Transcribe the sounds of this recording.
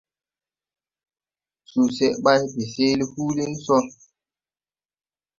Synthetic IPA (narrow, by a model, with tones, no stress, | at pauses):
su˨se˦ʔɓa˦jbe˨se˦li˦hu˦li˦n˦sɔ˦